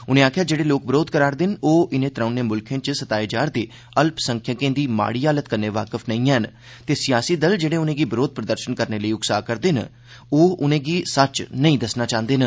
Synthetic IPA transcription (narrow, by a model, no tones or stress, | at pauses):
ʊnẽːaːkʰjaːd͡ʒeːɽeːloːk̚bɪɾoːd̪kəɾaːɾd̪ɪnoːʔɪnẽːt̪ɾãːneːmʊlkʰẽːt͡ʃsət̪aːed͡ʒaːɾd̪eː | əlpsə̃ŋkʰjãːkẽːd̪iːma̰ːɽiːaːlət̪kəɾneːʋaːkəfʰnəĩːɦɛn | t̪eːsɪjaːsiːd̪əld͡ʒeːɽẽːʊnẽːɡiːbəɾoːd̪̚pɾəd̪əɾʃənkəɾneːləiːʊɡsaːkəɾd̪en | oːʊnẽːɡiːsət͡ʃnəĩːd̪əsnaːt͡ʃãːnd̪eːnə